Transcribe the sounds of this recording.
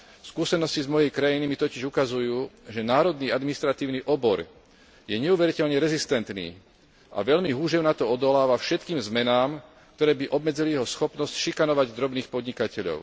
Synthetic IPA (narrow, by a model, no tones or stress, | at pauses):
skusɛnɔscizmɔjɛjkɾajinimit̪ɔciʒukazujuːʒɛnaːɾɔd̪niːad̪minist̪ɾat̪iːʊniʔɔbɔɾ | jɛɲɛuʋɛɾicɛʎɲɛɾɛzist̪ɛnt̪nḭː | ʔa̰ʋɛʎmiɦuːʒɛʊnat̪ɔɔd̪ɔlaːʋafʃɛt̪kiːmzmɛnaːm | k̚t̪ɔɾɛːbiʔɔbmɛd͡zilijɛɦɔsxɔpnɔscʃikanɔʋaɟd̪ɾɔbniːxpɔd̪ɲikacɛʎɔ̰ʊ